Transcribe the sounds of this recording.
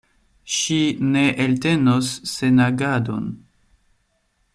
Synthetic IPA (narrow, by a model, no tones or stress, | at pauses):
ʃine̞ʔelte̞nosːe̞naɡado̰n